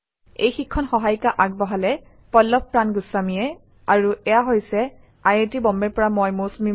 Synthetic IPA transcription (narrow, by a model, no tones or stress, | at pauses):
ejxikʰːɔnxɔɦajkaʔaɡ̚bɔɦalɛ | pɔlːɔp̚pɹanɡʊsːamijɛ | aɹuɛjaɦojsɛ | ajetibɔmbɛɹpɔɹamɔjmosumi